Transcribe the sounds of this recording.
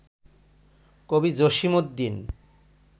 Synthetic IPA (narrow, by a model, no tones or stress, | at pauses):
kobid͡ʑoʃimod̪ːin